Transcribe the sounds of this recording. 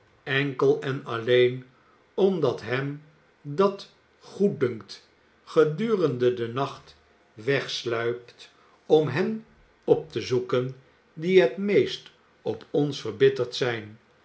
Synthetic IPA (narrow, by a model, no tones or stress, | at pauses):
ɛŋkəlˠɛnɑlejn | ɔmdɑtɦɛm | dɑt | χuddɵŋkt | χədyːrəndədənɑχt | ʋɛχslœɥpt | ɔmɦɛn | ɔp̚təzukən | diɦətmejst | ɔpʰɔnsfəɹbɪtəɹtsɛjn